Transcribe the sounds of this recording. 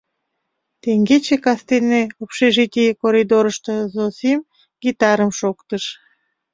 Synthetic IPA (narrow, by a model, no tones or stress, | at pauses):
t̪eŋɡet͡ɕekɑst̪eneopʃeʒit̪ʲikoɾid̪oɾəʃt̪əzosim | ɡ̥it̪ɑɾəmʃokt̪əʃ